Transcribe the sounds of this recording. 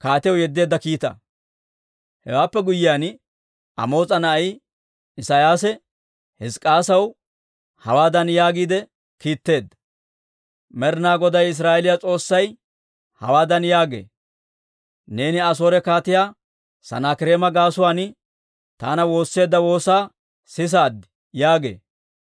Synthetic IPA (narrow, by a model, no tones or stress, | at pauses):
kaːt̪ɪjwjɛd̪ːeːd̪ːɐkiːt̪ɐ̰ | hɛ̰waːpːɛɡʊjːɪjaːn | ɐ̰mo̞ːt͡sʼɐnɐj | ɪsajaːsɛ | hɪskʼaːsɐw | hɐwaːd̪ɐnjaːɡiːd̪ɛ | kiːt̪ːe̞ːd̪ːɐ | mɛɾnaːɡɔd̪ɐjɪs̬ɾaːʔɛlɪjat͡sʼo̞ːsːɐj | hɐ̰waːd̪ɐnjaːɡḛː | ne̞ːnɪɐs̬o̞ːɾɛkaːt̪ɪjaː | sɐ̰naːkɪɾe̞ːmɐɡaːsʊwaːn | t̪aːnɐwo̞ːsːe̞ːd̪ːɐwo̞ːsaː | sɪs̬aːd̪ɪ̥ | jaːɡe̞̰ː